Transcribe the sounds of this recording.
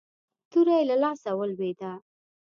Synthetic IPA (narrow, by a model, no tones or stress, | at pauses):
t̪uɾajlalɑsawəlwed̪a